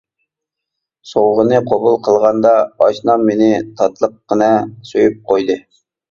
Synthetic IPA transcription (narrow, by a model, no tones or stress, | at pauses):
sowʁənɨqʰobulˠqʰəlˠʁɑnd̪ɑɑʃnɑmːenɪt̪ʰɑt̪lˠəq̚ːənɛsøjyp̚qʰojd̪ɨ